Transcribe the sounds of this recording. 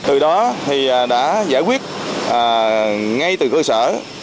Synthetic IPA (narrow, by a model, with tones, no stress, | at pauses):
t̪ɨ˨˩ɗɔ˨˦t̪ʰi˨˩˨ɗa̰ː˧˥za̰ː˧˩jkwi˦˥ət̚ʔaː˨˩ŋa˧jt̪ɨ˨˩kəː˧sə̰ː˧˩